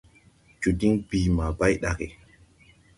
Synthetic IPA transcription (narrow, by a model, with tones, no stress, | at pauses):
d͡ʒu˨di˦ŋbi˨ma˨ba˦jɗa˨ke˨